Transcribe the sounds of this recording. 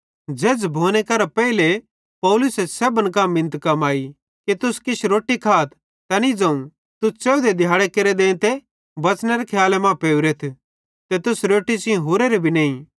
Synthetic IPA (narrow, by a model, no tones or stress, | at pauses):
d͡ʒeːd͡ʒbʱoːnekɐɾapɛile | pɐlʊsesɛbənk̬amɪ̃nt̪kaːmaːi | kit̪ʊskɪt͡ʃʰɾoːʈːikʰaːt̪ʰ | t̪ɐnid͡zɐ̃ũ | t̪ʊst͡ʃeːud̪ed̪ʱjaːɽekeɾed̪ẽːt̪e | bɐt͡ʃneɾekʰjaːlemãpeːʊɾet̪ʰ | t̪et̪ʊsɾoːʈit͡ʃɪ̃ẽɦoːɾeɾebʱineːĩ